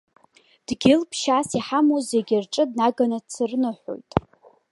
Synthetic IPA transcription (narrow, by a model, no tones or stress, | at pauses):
d̥ɡʲɪlpʰʃaːsiħamozeɡʲɪrʈ͡ʂʼɨdnaɡanɨt͡sʰɨrnɨħʷo̞̰jtʼ